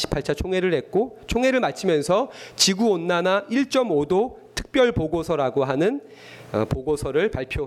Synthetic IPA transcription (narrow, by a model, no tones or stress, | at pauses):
ɕʰi̥pʰːaɭt͡ɕʰat͡ɕʰoŋeɾɯɭhek͈ot͡ɕʰoŋe̞ɾɯɭmat͡ɕʰimjʌnsʰʌt͡ɕiɡuonːanaʔiɭt͡ɕ͈ʌmodotʰɯ̥k̚p͈jʌɭpoɡosʰʌɾaɡoɦanɯn | ʌ̰poɡosʰʌɾɯɭpaɭpʰjo